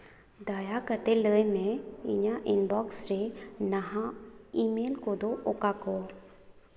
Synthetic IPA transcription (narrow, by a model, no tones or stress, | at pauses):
d̪aːjakət̪eləemẽɪ̰ɲaʔɪnbɔːksɾenɐɦãimeːlkod̪oʔokako